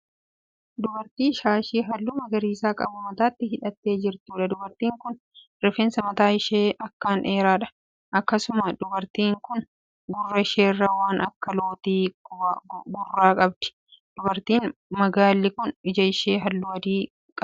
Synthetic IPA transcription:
d̪ʊbɐɾt̪iːʃaːʃiːɦɐlːuːmɐɡɐɾiːsaːkʼɐ̰bʊmɐt̪aːt̪ːɪhɪᶑɐt̪ːe̞ːd͡ʒɪɾt̪uːᶑɐd̪ʊbɐɾt̪iːŋkʊn | ɾɪfeːnsɐmɐt̪aːɪʃeːɐkːaːnʔe̞ːɾaːᶑɐ̥ | ʔɐkːɐsʊmɐd̪ʊbɐɾt̪iːŋkʊn | ɡʊrːɐɪʃeːrːɐwaːnɐkːɐloːt̪iː | ɡʊrːaːkʼɐb̚d̪̥ɪ̥ | d̪̥ʊbɐɾt̪iːnmɐɡaːlːɪkʊnɪd͡ʒɐɪʃeːɦɐlːuɐd̪iː | kʼɐ

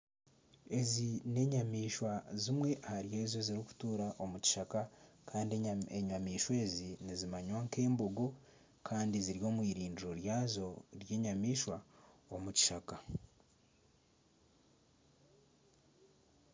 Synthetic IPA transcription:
e̞zine̞ɲamiːʃwazimwe̞ʔahaɾje̞ːzoziɾiku̥tuɾaʔo̞muci̥ʃakakʰaːndieɲamiːʃwe̞ːzinizimaɲwaŋke̞ːmboɡo̞ | kʰaːndiziɾjo̞ːmwiːɾiːndiɾo̞ɾjaːzo̞ɾje̞ːɲamiːʃwaomuci̥ʃaka

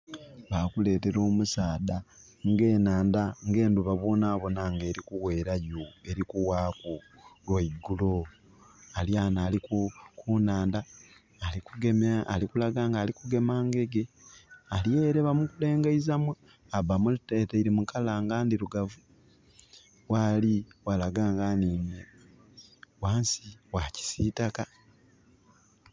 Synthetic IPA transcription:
βakule̞ːte̞ɾo̞ːmusaːda | ŋɡe̞ːnaːndaŋɡe̞ːnduβaβwoːnaβo̞naŋɡe̞ːɾikuwe̞ːɾajoe̞ɾikuwaːku | lweiɡulo | aljanaːlikukunaːndaː | likuɡemalikulaɡaːŋɡaːlikuɡe̞maːŋɡe̞ɡe | aljeːɾeβamukule̞ːŋɡaizamwa | aβamulteteiɾimukalaːŋɡaːndiɾuɡavu | waliwalaɡaːŋɡaniːne | waːnsiwaci̥siːtaka

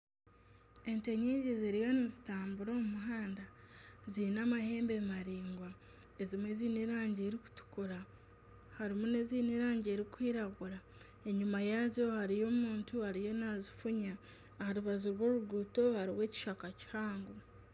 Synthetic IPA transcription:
e̞nte̞ɲeɟezeɾijanizitaːmbuɾoːmumuɦaːndazinamahe̞ːmbemaɾiːŋɡwa | e̞zimweziːniɾaːɲɟeːɾiku̥tu̥kuɾa | haɾimune̞ziːniɾaːɲɟe̞ːɾikwiːɾaɡuɾa | e̞ɲumajazjo̞haɾijo̞ːmuːntuhaɾijo̞nazifuɲa | haɾuβazuɾwo̞ːɾuɡuːto̞haɾiwe̞ːci̥ʃakaci̥haːŋɡu

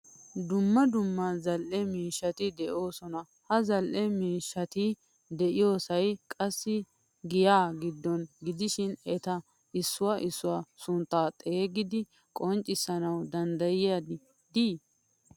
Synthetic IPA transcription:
d̪ʊmːɐd̪ʊmːɐzɐlʔɛmiːʃːɐt̪ɪd̪ɛʔo̞ːsɔnɐ | hɐzɐlʔɛmiːʃːɐt̪ɪ | d̪ɛʔɪjo̞ːsɐjkʼɐsːɪ | ɡɪjaːɡɪd̪ːɔnɡɪd̪ɪʃɪnɛt̪ɐ | ɪsːʊwaʔɪsːʊwaːsʊnt̪ːaːt̪ʼeːɡɪd̪ɪ | kʼɔnt͡ʃʼːɪsːɐnɐwd̪ɐnd̪ɐjɪjad̪ɪ | d̪iː

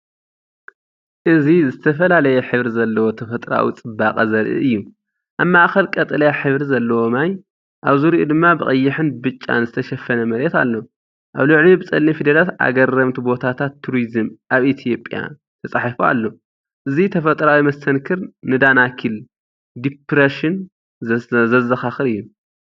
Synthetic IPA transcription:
ʔɨzizɨt̪ʰɐfɐlalɐjɛħɨβɾizɐlːɐwo̞t̪ʰɐfɐt̪ʼɾa̰wḭt͡sʼɨbːaqʼɐzɐɾʔɨ̰ɨjːu | ʔaβmaʔxɐlkʼɐt̪ʼɨlɐjaħɨβɾizɐlːɐwo̞maj | ʔaβzuɾiʔṵd̪ɨmːabɨχʼɐjːɪħɨnbɨt͡ʃʼːa̰nzɨt̪ʰɐʃɐfːɐnɐmɐɾet̪a̰lːo̞ | ʔaβluʕlibɨt͡sʼɐlːifid̪ɐlat̪a̰ɡɐrɐmt̪ʰubo̞t̪ʰat̪ʰat̪ʰːuɾizɨmʔaβʔit̪ʰijo̞pʼja̰ | t̪ʰɐsʼaħifua̰lːo̞ | ʔɨzit̪ʰɐfɐt̪ʼɾawimɐst̪ʰɐnkʰɨɾnɨd̪anakʰil | d̪ipɾɐʃin | zɐzɐxaxɨɾɨjːu

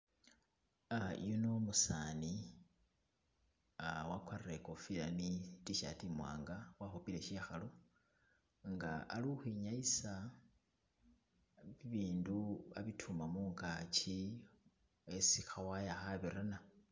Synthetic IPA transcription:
a̰junomusani | awakwarrekofilanitiʃa̰timwa̰ːŋɡawaxupile̞ʃiaxalo | ŋɡa̰ʔːlixwiɲaisa | βiβiːnduaβitʰumamuːŋkat͡ʃi | esixawajaxaβiɾana

